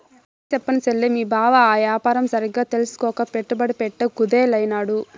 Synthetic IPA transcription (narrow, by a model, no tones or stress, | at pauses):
t͡ʃɛpːɐniselːemiːbʱaːʋɐaːʋjaːpaːɾɐmsɐɾiɡaːt̪e̞lusu̥kɔːkɐpeʈːɐbɐɽipɛʈːɐkud̪eːlɐjnaːɽu